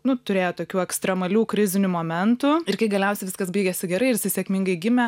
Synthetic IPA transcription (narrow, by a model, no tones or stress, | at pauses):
nʊt̪ʊɾʲeːjoːt̪oːkʲuːɛkst̪ɾʲɛmɐlʲuːkɾʲɪzʲɪnʲuːmoːmʲɛnt̪uɪɾkɐɪɡɐlʲɛʊsʲɛɪʋʲɪskɐsbʲiːɡʲɛsʲɪɡʲɛɾɐɪɪɾsʲɪsʲeɛkmʲɪŋɡɐɪɡʲɪmʲɛ